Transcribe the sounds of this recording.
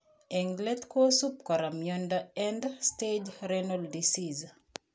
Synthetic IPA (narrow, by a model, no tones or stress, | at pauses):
eŋɡlɛtkosup̚kaɾamjondaɛndsted͡ʒɾɛnoldisiz